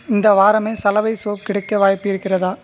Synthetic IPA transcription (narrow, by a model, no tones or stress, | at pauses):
ɪnd̪ɐʋaːɾɐmeːsɐlɐʋɐɪsoːp̚kɪɽɐkːɐʋaːjpːɪɾɯkːɪrɐðaː